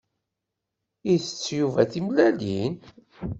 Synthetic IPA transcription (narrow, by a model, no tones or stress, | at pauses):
iθət͡sːjuvæθimlælin